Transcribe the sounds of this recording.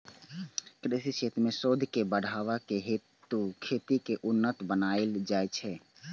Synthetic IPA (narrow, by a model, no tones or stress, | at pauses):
kɾesiseːt̪mẽsoːd̪ʱkebəɽʱaʋakeɦet̪ːukʰeːt̪ikeʔʊnːət̪bənaeld͡ʒaːet͡ʃʰɛ